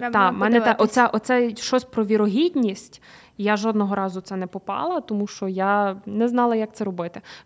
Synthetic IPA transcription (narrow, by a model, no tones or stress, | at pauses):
t̪ɑmɛnɛt̪ɛʔɔt̪sɛʔɔt̪sɛʃɔsʲpɾɔʋʲiɾɔɦʲidʲnʲisʲtʲ | jaʒɔd̪nɔɦɔɾɑzʊt̪sɛnɛpɔpɑ̰lˠɐt̪ɔmuʃt͡ʃɔjanɛznɑlˠɐjak̚t̪sɛɾɔbɪt̪ɪ